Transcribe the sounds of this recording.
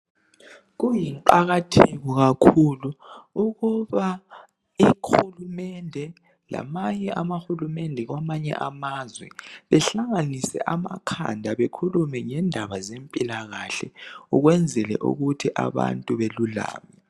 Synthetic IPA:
ɣujiŋǃaɣatʰiɣɔɣakʰuluuɣuβa | ihulumɛndʱɛ | la̰maɲɛamaxulumɛndʱɛɣwamaɲɛ̰ʔamazwɛ̰βɛɬaŋanisɛ̰ʔamakʰa̰ndʱaβekʰulumɛŋɛndʱaβazempʼilaɣaɬɛuɣwɛnd͡zʱɛlɛ̰ʔṵɣutʰiʔa̰βa̰ntʼuβelula̰ːmɛ

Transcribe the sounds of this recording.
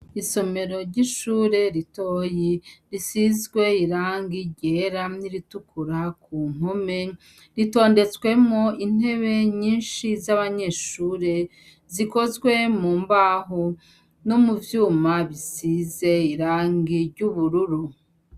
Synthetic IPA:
iso̞me̞ɾo̞ɾɟiʃuːɾe̞ɾitoːjiɾisizɡwe̞iɾaːŋɡiɟeɾaniɾitukʰuɾakuːn̥ome̞ | ɾito̞ːnde̞t͡swe̞mŋo̞in̥e̞βe̞ɲiːnʃizaβaɲe̞ʃuːɾe̞ | ziko̞zɡwe̞muːmbaːɦo | nomuvjuːmaβisize̞iɾaːŋɡiɾɟuβuɾuɾu

